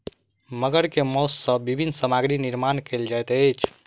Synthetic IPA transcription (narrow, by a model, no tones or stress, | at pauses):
məɡəɾkemɔsːəbibʱinːsəmaɡɾiniɾmankeld͡ʒajt̪əjt͡ʃʰ